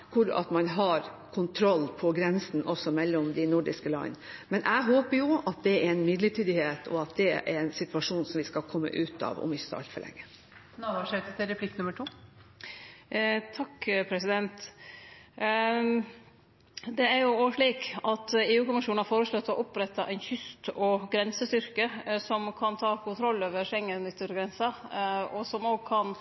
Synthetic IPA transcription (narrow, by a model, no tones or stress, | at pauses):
kʰʊɾɑ̰t̪mɑnɦɑɾ | kʰʊnt̪ʰɾɔlːpʰɔɡɾɛnsn̩ʔɔsːɔmɛlːɔmd̪ɪnʊɖɪskəlɑ̰nːmɛnʔæɪɦoːpəjʊɑt̪̚d̪ɛɛɾɛnmʏd̪lətyːd̪ɪheːt̪ʰɔ̰ɑt̪̚d̪ɛɛ̰ɾɛnsɪt̪ʉʋɑʂuːnsɔmʋɪskɑlkʰɔmːə̰ʔʉːt̪ɑ̰ːʋɔ̰mɪçəsəɑ̰lt̪fɔ̰ɭʔɛ̰ŋːə | nɑʋɑʂœt̪ət̪ɪɾɛpʰlɪknʉməʈʰuː | t̪ʰɑkːpʰɾɛsɪd̪ɛnt̪ | d̪ɛæɾjʊoːʂɭiːkɑt̪eːʉːkʊmɪʂuːnɑɾfoːɾəslɔt̪ːɔʔɔpɾɛt̪ːɑʔɛɪnçʏst̪ɔɡɾɛnsəst̪ʏɾkəsɔmkʰɑnt̪ʰɑːkʊnt̪ʰɾɔlːoːʋəɾʂɛŋːənʏt̪ːəɾɡɾɛnsɑɔsɔmoːɡkʰɑn